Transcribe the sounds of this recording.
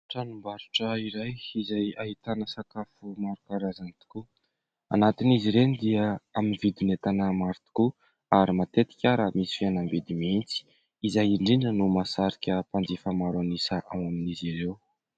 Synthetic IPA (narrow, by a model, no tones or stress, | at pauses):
ʈ͡ʂanumbaɾuʈ͡ʂəiɾajizajaɦit̪anəsakafumaɾukaɾazanit̪u̥ku | a̰nat̪iniziɾend̪iaaminivid̪inet̪anəmaɾit̪i̥ku | aɾimat̪et̪i̥kʲaɾamisi̥fianambed̪imint͡si̥ | izajiɳɖ͡ʐinənumasaɾikʲəpand͡zifamaɾanisaʔawaminiziɾew